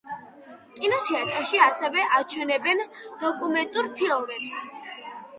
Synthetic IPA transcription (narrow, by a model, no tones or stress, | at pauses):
kʼinɔt̪ʰɛat̪ʼɾaʃiasɛvɛʔat͡ʃʰwɛnɛbɛnd̪̥ɔkʼumɛnt̪ʼuɾpʰilˠmɛps